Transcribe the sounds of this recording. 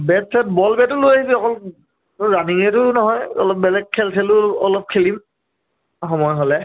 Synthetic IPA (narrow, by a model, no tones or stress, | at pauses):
bɛt̚sɛt̚bɔlbɛtʊlojaɦibiɔkɔl | tɔɹaniŋɛtʊnɔɦɔjɔ̰lɔp̚bɛlɛɡ̚kʰːɛltʰɛlʊɔlɔp̚kʰelim | xɔmɔjɦolɛ